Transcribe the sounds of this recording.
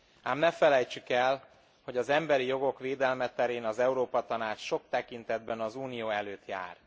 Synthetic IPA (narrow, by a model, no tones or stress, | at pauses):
aːmnɛfɛlɛjt͡ʃykɛl | ho̞ɟɒzɛmbɛɾijo̞ɡo̞kʋeːd̪ɛlmɛt̪ɛɾeːnɒzɛuɾoːpɒt̪ɒnaːt͡ʃʃo̞k̚t̪ɛkint̪ɛd̪bɛnɒzuːnijoːɛløːt̪ja̰ːr